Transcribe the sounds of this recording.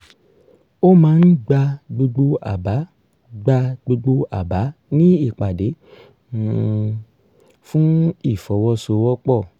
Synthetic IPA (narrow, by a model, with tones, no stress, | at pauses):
o˦mãː˦n̩˦ɡ͡ba˧ɡ͡bu˧ɡ͡bo˦a˨ba˨˦ | ɡ͡ba˧ɡ͡bo˧ɡ͡bo˦a̰˦˨ba˨˦nĩ˦i˦˨k͡pa˨de˨˦ | fũ˦i˦˨fɔ˨˦wɔ˦so˧wɔ˦k͡pɔ˦˨